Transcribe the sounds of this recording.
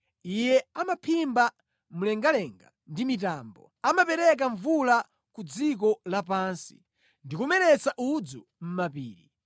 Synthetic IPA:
ijɛamapʰimba | mulɛŋɡalɛŋɡa̰ndimitambɔ̰ | amapɛɾɛk̬aɱvula | kud͡zik̬ɔlapansi̥̰ | ndikumɛɾɛt͡saʔud͡zɔ | m̩mapiːɾi

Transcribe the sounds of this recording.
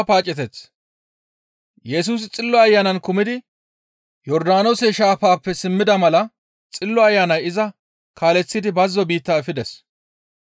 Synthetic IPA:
paːt͡ʃʼːɛt̪ɛt͡s | jɛs̬uːs̬ɪt͡sʼɪlːɔɐjːanɐnkʊmɪd̪ɪ | jɔɾd̪aːnɔseʃaːfaːpːɛsɪmːɪd̪ɐmɐlɐ | t͡sʼɪlːɔɐjːanɐjɪzɐ | kʰaːlɛt͡sːɪd̪ɪbɐzːɔbiːt̪ːaːfɪd̪ɛs

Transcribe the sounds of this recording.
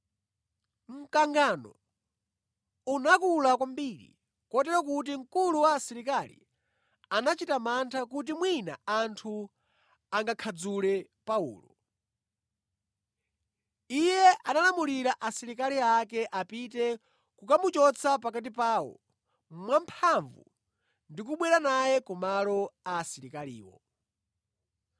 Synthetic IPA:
m̩kaŋɡanɔ̰ | unakulakwambiɾḭ | kɔtɛɾɔk̬ut̬iŋkuluwaːsiɾikalḭ | anat͡ʃitamantʰak̬ut̬imwinaantʰu | aŋɡakʰad͡zulɛ | paṵːlɔ̰ | ijɛʔanalamuliɾaʔasiɾikaliakɛʔapitɛ | kukamut͡ʃɔt͡sʰapakat̬ipaːwɔ̰ | mwampʰaɱvṵ | ndikuɓwɛɾanajɛkɔmalɔaːsiɾikalḭːwɔ̰

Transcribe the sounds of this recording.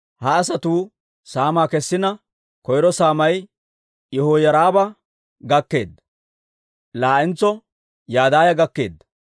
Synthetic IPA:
hɐːsɐt̪uː | saːmaːkɛsːɪnɐ | kɔjɾɔsaːmɐj | jɛhoːjɐɾaːbɐ | ɡɐkːe̞ːd̪ːɐ | laːʔɪnt͡sːɔ | jaːd̪aːjɐɡɐkːe̞̰ːd̪ːɐ

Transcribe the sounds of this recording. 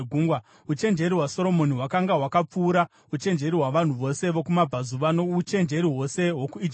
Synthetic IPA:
ɡʱuŋɡwa | ut͡ʃe̞nd͡ʒe̞ɾiɦwaso̞ɾo̞mo̞niɦwakaŋɡawakap͡fuːɾa | ut͡ʃe̞nd͡ʒe̞ɾiɦwaʋan̤uʋo̞se̞ʋo̞kumab͡vʱazuʋano̞ut͡ʃe̞nd͡ʒe̞ɾiɦo̞se̞ɦwo̞kuid͡ʒi

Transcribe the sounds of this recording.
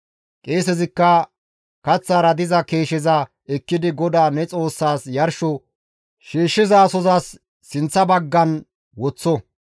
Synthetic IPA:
kʼeːsɛzɪkːɐ | kɐt͡sːaːɾɐd̪ɪzɐkeːʃɪzɐ | ɛkːɪd̪ɪɡɔd̪aːnɛt͡sʼo̞ːsːaːsjɐɾʃɔ | ʃiːʃːɪzaːsɔzaːsː | ɪnt͡sːɐbɐɡːɐn | wɔt͡sːɔ

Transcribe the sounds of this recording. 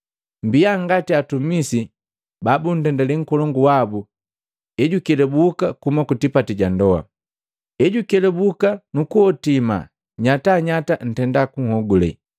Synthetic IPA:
mbiaŋɡatiatumisi | babun̩tɛndɛlɛŋ̩kɔlɔŋɡuwabu | ɛɟukɛlɛbukakumakutipatiɟandɔa̰ | ɛɟukɛlɛbukanukuɔtima̰ | ɲataɲatan̩tɛndakuŋhɔɡulɛ̰

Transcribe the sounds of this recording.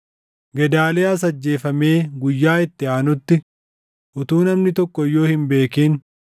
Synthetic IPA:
ɡɛd̪aːleːɐs̬ɐd͡ʒːe̞ːfɐmeːɡʊjːaːɪt̪ːɪaːnʊt̪ːɪ | ʔʊt̪uːnɐmnɪt̪ɔkːɔɪjːo̞ːhɪmbe̞ːkiːn

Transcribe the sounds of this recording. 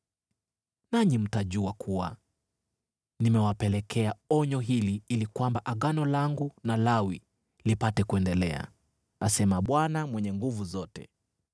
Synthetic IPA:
naɲim̩taʄuakʰua̰ | nimɛwapɛlɛkʰɛaɔɲɔɦiliilikwambaʔaɠanɔlaŋɡunalawi | lipatɛkuɛndɛlɛ̰a̰ | asɛmaɓwanamwɛɲɛŋɡuvuzɔtɛ̰

